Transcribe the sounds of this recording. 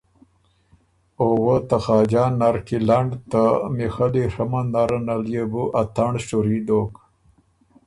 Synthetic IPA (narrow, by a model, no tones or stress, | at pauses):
owət̪axɑːd͡ʒɑːnːaɾkilaɳɖt̪amexaliʂɐmanaɾənaljebuʔat̪aɳʂuɾid̪ok